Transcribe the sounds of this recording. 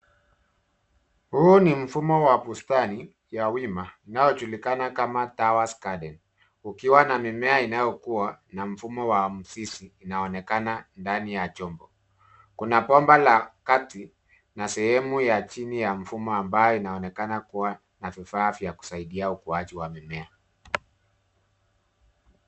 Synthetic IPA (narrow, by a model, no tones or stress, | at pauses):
huːnim̩fumɔwapustani | jawimainajɔt͡ʃulikanakamatawaskaɗɛn | ukiwanamimɛainajɔkuwanam̩fumɔwam̩sisiːnaɔnɛkanandanijat͡ʃɔmbɔ | kunapɔmbalakati | nasɛhɛmujat͡ʃinijaɱ̩fumɔambajɔinaɔnɛkanakuwa | navifafjaku̥saiɗiaukuat͡ʃiwamimɛa